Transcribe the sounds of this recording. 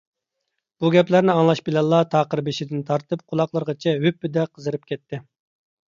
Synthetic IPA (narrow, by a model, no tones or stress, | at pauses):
b̥uɡʲɛplæɾnɪɑŋlˠɑʃbɪlɛlˠːɑt̪ʰɑːqəɾbeʃɪd̪ɪnt̪ʰɑɾt̪ɨp̚qʰʊlˠɑqlˠəɾʁɑt͡ʃʰɛɦøpːɪd̪ɛqʰəzɨɾɨp̚kʲʰɛt̪ʰːɪ